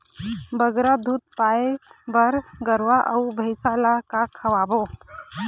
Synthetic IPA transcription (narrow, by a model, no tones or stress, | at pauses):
bəɡɾad̪ʱut̪̚paːebəɾɡəɾwaʔəwbʱəɪsaːlakakʰəʋaːbo